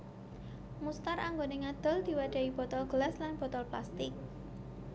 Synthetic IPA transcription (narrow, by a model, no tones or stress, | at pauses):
must̪araŋɡoneŋad̪̥ɔ̤ld̪̥i̤wad̥a̤ib̥ɔ̤t̪ɔlɡ̥əlɛslanb̥ɔ̤t̪ɔlpla̰st̪ɪk̚